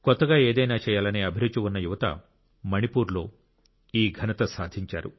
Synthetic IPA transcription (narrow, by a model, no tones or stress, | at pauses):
kɔt̪ːɐɡaːeːd̪ɐjnaːt͡ʃɛːjaːlɐneːɐbʱiɾut͡ʃuwunːɐjuʋɐt̪ɐ̰ | mɐnipuːɾlo̞ː | iːɡʱɐnɐt̪ɐsaːd̪ʱiɲt͡ʃa̰ːɾṵ